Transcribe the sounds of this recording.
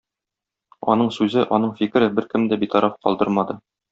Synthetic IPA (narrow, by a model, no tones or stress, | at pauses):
ɒ̰nɤɴsʉzɘʔɒnɤɴfikɘ̆ɾɘbɘɾkɘmd̪æbit̪ɒɾʔɑfqɒlˠd̪ɤ̰ɾmɑd̪ɤ